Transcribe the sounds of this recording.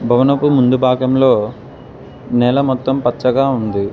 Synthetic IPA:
bʱɐʋɐnɐpːumund̪ubʱaːɡɐmlo̞ː | nɛlɐmɔt̪ːɐmpɐtt͡ʃːɐɡaːund̪i

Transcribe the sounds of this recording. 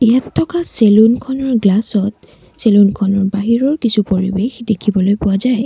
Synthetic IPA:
ejatʰːɔkaselunkʰɔnɔɹɡlasɔt̚ | selunkʰɔnɔɹbaɦiɹɔɹkisupoɹḭbexdekʰibɔlojpʊwazaj

